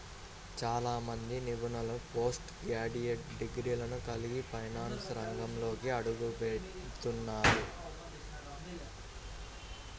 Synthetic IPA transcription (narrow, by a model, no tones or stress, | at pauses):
t͡ʃaːlaːmɐnd̪iniʋunɐlɐpoːsʈɡaːɽijeʈɖiɡɾiːlɐnukɐliɡipɐjnaːnsɾɐŋɡɐmlo̞ːkiɐɽuɡupet̪unːaːɾu